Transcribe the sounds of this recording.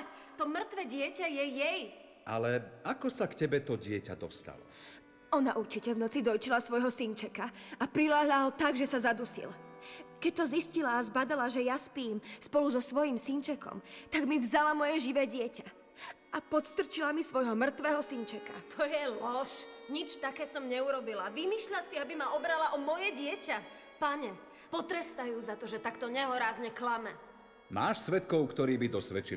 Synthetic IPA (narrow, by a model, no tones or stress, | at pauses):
t̪ɔmr̩t̪ʋɛːɟɪɛcajɛjɛj | ʔa̰lɛakɔsakcɛbɛt̪ɔɟɪɛca̰d̪ɔst̪a̰lɔ̰ | ɔnaʔuɾt͡ʃicɛvnɔt͡sid̪ɔjt͡ʃilasʋɔjɦɔsiɲt͡ʃɛkaapɾilaɦlaɦɔt̪aɡʒɛsazad̪usḭlkɛc̚t̪ɔziscilaːzbad̪alaʒɛjaspiːmspɔluzɔsʋɔjimsint͡ʃɛkɔ̰mt̪aɡmivzalamɔjɛʒiʋɛːɟɪɛca | apɔt̪st̪r̩t͡ʃilamisʋɔjɦɔmr̩t̪ʋɛːɦɔsint͡ʃɛka̰t̪ʰɔjɛlɔʃɲit͡ʃt̪akɛːsɔmɲɛuɾɔbilaʋimiːʃʎasiabimaɔbɾalaʔɔmɔjɛɟɪɛca | paɲɛ | pɔt̪ɾɛst̪ajuːzat̪ɔʒɛt̪akt̪ɔɲɛɦɔɾaːzɲɛklamɛ | maːʃsʋɛt̪kɔʊkt̪ɔɾiːbid̪ɔsʋɛt͡ʃi